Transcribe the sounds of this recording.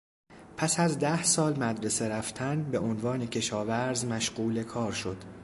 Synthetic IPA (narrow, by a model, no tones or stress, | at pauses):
pʰæsæzd̪æhsɒːlmæd̪ɾe̞se̞ɾæft̪ʰænbe̞ʔonvɒːne̞cʰe̞ʃɒːvæɾzmæʃɢuːle̞kʰɒːɾʃo̞d̪̥